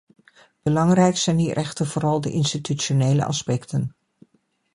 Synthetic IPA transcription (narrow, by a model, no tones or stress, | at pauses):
b̥əlɑŋrɛjksɛjndirʔɛχtənv̥ʊːɾɑlˠdəʔɪnstityt͡ʃonejlə̰ʔɑ̰spɛktən